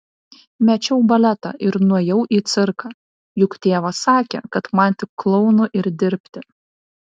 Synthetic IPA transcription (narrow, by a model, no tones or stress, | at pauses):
mʲɛt͡ʃʲɛʊbɐlʲɛt̪ɑ̰ːʔɪɾnuɔjɛʊʔiːt̪sʲɪɾkɑː | jʊkt̪ʲeːʋɐsɑːkʲɛ̰ːkɐt̪mɐnʲˑt̪ʲɪkːlˠɔʊnʊʔɪɾd̪ʲɪɾʲpʲt̪ʲɪ